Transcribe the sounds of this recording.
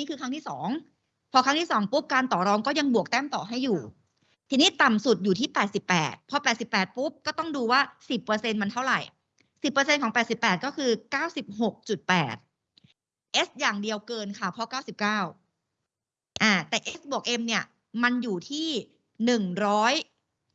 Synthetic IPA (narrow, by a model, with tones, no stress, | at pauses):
niː˦˥˩kʰɯː˧kʰa˥ŋʰiː˥˩sɔ̰ː˩˦ŋ | pʰɔ˧kʰa˦˥ŋt̪iː˥˩sɔː˩˦ŋpu˦˥p̚kaː˧nt̪ɔː˨˩ɾɔː˦˥ŋkɔː˥˩ja˧ŋbu˨˩ək̚t̪ɛː˥˩mt̪ɔː˨˩ɦa˥˩jːuː˨˩ | t̪ʰiː˧niː˦˥˩t̪a˨˩msu˨˩t̪̚juː˨˩iː˥˩pɛː˨˩t̪̚si˨˩pːɛ̰ː˨˩t̪̚pʰɔ˧pɛː˨˩t̪̚si˨˩pːɛː˨˩t̪̚pu˦˥p̚kɔː˥˩t̪ɔ˥˩ŋduː˧waː˥˩si˨˩pːɤː˧se˧nma˧nt̪ʰa˥˩wɾa˨˩j | si˨˩pːɤ˧se˧nkʰɔ˩˦ŋpɛː˨˩t̪̚si˨˩pːɛː˨˩kɔː˥˩kʰɯː˧kaː˥˩wsi˨˩p̚ɦo˨˩k̚t͡ɕu˨˩t̪̚pɛː˨˩t̪̚ | ʔe˦˥s̚jaː˨˩ŋdi˧əwkɤː˧nkʰa˥˩pʰɔ˦˧˥kaː˥˩wsi˨˩p̚kaː˥˩w | ʔaː˧˩t̪ɛː˨˩ʔe˦˥s̚bu˨˩ək̚ʔe˧mni˥˩ɐ | ma˧njuː˨˩t̪ʰiː˥˩ | nɯ˨˩ŋɾɔː˦˥j